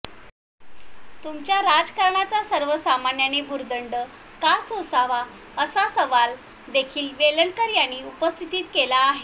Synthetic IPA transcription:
t̪umt͡ɕjaɾad͡zkaɾɳat͡sasəɾʋəsamanjanebʱuɾd̪əɳɖə | kasosaʋa | əsasəʋal | d̪ekʰiːlʋeləɳkəɾjañiːupəst̪ʰit̪iːt̪kelaːɦe

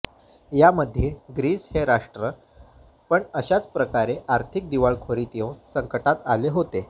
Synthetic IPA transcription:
jaməd̪ʱːjeɡɾiːsheɾaʂʈɾə | pəɳəɕat͡spɾəkaɾeʔaɾt̪ʰik̚d̪iʋaɭkʰoɾit̪jownsəŋkəʈat̪aleɦot̪e

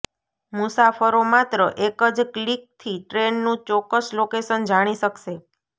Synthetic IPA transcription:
musafəɾomat̪ɾəʔekəd͡ʒklik̚t̪ʰiʈɾenːũt͡ʃɔkːəslokesənd͡ʒaɽ̃iʃəkʃe

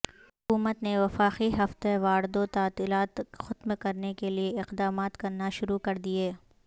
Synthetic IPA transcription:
hʊkuːmət̪neʋɐfaːqiɦɐft̪eʋaːɾɪd̪ot̪aːt̪ilaːt̪xʊt̪mkɐɾnekelieɪqd̪aːmaːt̪kɐɾnaʃʊɾukɐɾd̪ieː

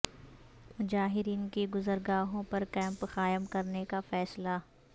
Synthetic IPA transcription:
mʊd͡ʒaːɦɪɾiːnkeɡʊzəɾɡaːɦõpɐɾkɛ̃ːmpxaːjəmkɐɾnekafɛːsla

